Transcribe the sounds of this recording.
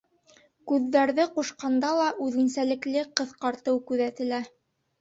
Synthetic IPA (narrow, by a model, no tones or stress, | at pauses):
kʉðːæɾðɘquʃqɑnd̪ɑlˠɑʔʉðɘ̆nsælɘ̆klɘqɤ̆ðqɑɾt̪ɤwkʉðæt̪ɘ̆læ